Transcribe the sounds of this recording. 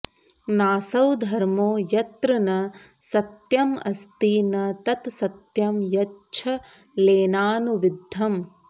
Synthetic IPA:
naːsɐwd̪ʱɐɾmoːjɐt̪ɾɐnɐ | sɐt̪jɐmɐ̰st̪iːnɐt̪ɐt̪sɐt̪jɐmjɐtːt͡ʃʰɐ | leːnaːnuʋid̪ʱːɐm

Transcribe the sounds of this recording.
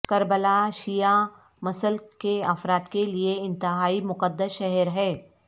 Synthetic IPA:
kɐɾbəlaʃija | mɐsəlkeɐfɾaːt̪kelieɪ̃nt̪ɪɦaːimʊqəd̪ːəsʃɛɦɛɾɦɛː

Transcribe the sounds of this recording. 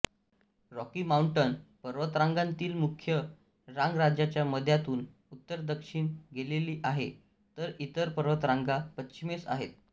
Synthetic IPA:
ɾɔkimauɳʈənpəɾʋət̪ɾaŋɡant̪iːlmukʰjə | ɾãŋɡɾad͡ʑjat͡ɕjaməd̪ʱjat̪uːn | ut̪ːəɾd̪əkʂiɳɡeleliːʔaɦe | t̪əɾit̪əɾpəɾʋət̪ɾãŋɡapətɕimesa̰ɦḛt̪̚

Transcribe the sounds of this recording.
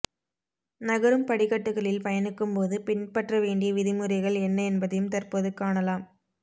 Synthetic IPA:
nɐɣɐɾɯmpɐɽɪɣɐʈːɯɣɐɭɪlpɐjɐnɯkːɯmpoːðɯpɪnpɐʈrɐʋeːɳɖɪjɐʋɪðɪmɯɾɐɪɣɐɭɛnːɐɛnbɐðɐjɯmt̪ɐrpoːðɯkːaːɳɐlaːm

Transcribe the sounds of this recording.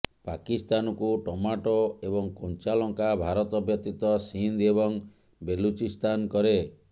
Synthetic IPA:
pakist̪anɔkuʈɔmaʈɔebɔŋkɔnt͡ʃalɔŋkabʱaɾɔt̪ɔbʱjɔt̪it̪ɔsind̪ebɔŋ | belut͡ʃist̪ankɔɾe

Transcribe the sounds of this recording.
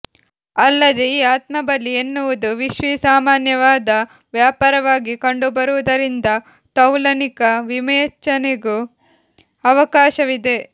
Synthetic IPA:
ɐlːɐd̪e̞iːaːt̪mɐbɐlːienːuʋud̪uʋiʃʋisaːmaːnjɐʋaːd̪ɐ | ʋjaːpaːɾɐʋaːɡikɐɳɖubɐɾuʋud̪ɐɾind̪ɐ | t̪ɐwlɐnikɐʋimɐjt͡ʃːɐneɡu | ɐʋɐkaːʃɐʋid̪e̞

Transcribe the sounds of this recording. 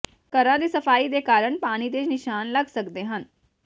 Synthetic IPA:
kəɾãːd̪iːsəfʰaːid̪eːkaːɾəɳ̃paːɽ̃iːd̪eːd͡ʒnɪʃaːnləɡsəkd̪eːɦən

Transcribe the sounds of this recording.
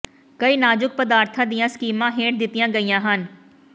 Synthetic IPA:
kɐiːnaːd͡ʒʊk̚pəd̪aːɾt̪ʰãd̪ijãskiːmãɦeːʈ̚d̪ɪt̪ijãːɡɐijãːɦən

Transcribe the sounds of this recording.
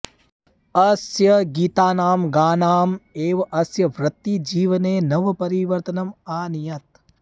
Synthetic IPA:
ɐsjɐɡiːt̪aːnaːmɡaːnaːmeːʋɐʔɐsjɐʋɾɐt̪ːid͡ʒiːʋɐneːnɐʋɐpɐɾiʋɐɾt̪ɐnɐmaːnijɐt̪̚

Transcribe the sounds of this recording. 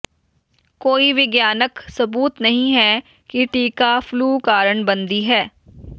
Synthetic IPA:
koːiʋɪɡjaːnəksɐbuːt̪nɐɦĩɦɛ | kiʈiːkafluːkaːɾəɳbɐ̃nd̪iɦɛː

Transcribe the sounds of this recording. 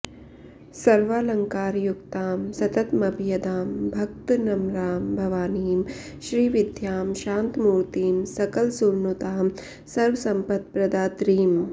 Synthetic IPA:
sɐɾʋaːlɐŋkaːɾjukt̪aːmsɐt̪ɐt̪mɐbʱjɐd̪aːmbʱɐk̚t̪nɐmɾaːmbʱɐʋaːniːm | ʃɾiːʋid̪ʱjaːmʃaːnt̪muːɾt̪iːmsɐkɐlsuɾnut̪aːm | sɐɾʋɐsɐ̃mpɐt̪̚pɾɐd̪aːt̪ɾiːm

